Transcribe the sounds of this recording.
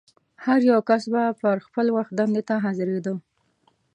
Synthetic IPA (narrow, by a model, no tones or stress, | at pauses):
haɾjawkasbapəɾxpəlwaxt̪̚d̪and̪et̪aɦazɪɾed̪ə